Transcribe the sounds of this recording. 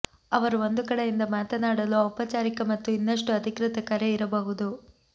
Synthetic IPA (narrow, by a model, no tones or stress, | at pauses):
ɐʋɐɾuo̞nd̪ukɐɽejind̪ɐmaːt̪ɐnaːɽɐluɔpɐt͡ʃaːɾikɐmɐt̪ːuinːɐʂʈuɐd̪ʱikɾɪt̪ɐkɐɾeiɾɐbɐɦud̪u